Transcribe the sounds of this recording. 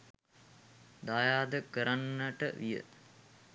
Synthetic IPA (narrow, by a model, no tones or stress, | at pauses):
d̪ajaːd̪əkəɾanːəʈə̰ʋijə̰